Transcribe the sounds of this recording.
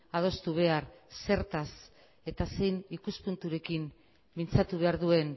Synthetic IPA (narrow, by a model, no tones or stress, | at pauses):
að̞o̞st̪uβ̞e̞arse̞ɾt̪as | e̞t̪ase̞jnikuspunt̪uɾe̞kim | mint͡sat̪uβ̞e̞aɾðue̞n